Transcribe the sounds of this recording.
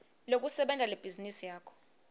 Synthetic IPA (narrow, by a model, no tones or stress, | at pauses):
lok̬ʼusɛɓɛntʼaleb̥ʱizinisijaːkʰɔ̥